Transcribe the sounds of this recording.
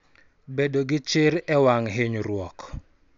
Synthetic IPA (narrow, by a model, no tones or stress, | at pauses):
bedoɡɪt͡ʃɪɾɛwaŋɦɪɲɾwɔk